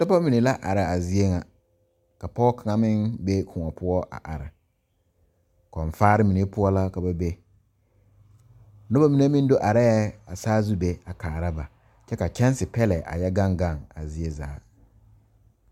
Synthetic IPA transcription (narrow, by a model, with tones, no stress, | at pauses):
tɔ˦pa˦mi˨ne˨la˦ʔa̰˨ɾɪ˨a˨zi˦e˦ŋa˨ | ka˨pɔ˦kʰa˨ŋa˨mɪ̃˦nbe˦kʰʊ̃˨ŋɔ˨pʰʊ˦ɔ˦ʔa̰˨ʔa˨ɾɪ̰˨ | kɔ˨ɱ˨faː˦ɾɪ˦mi˨ne˦pʊ˦ɔ˦la˦ka˨ba˨be˦ | no˦ba˦mi˨ne˦mĩ˦n˦do˦ʔa˨ɾɛ˦jɛ˦a˨saː˦zu˦be˦a˨kaː˨ɾa˦ba˨ | t͡ʃɛ˦ka˨t͡ʃɛ˦n˦sɪ˨pɛ˦lɛ˨ʔa̰˨jɛ˦ɡa˦ŋ˦ɡa˦˨ŋa̰˨zi˦e˦za̰ː˨˦